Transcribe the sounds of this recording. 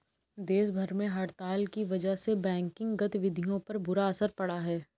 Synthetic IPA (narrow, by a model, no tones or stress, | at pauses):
d̪eːʃ̬bʱɐɾmẽɦɐɾt̪aːlkiʋɐd͡ʒəɦsebɛ̃ːŋkɪ̃ŋɡɡɐt̪ʋɪd̪ʱijõpɐɾbʊɾaɐsəɾpɐɽaɦɛː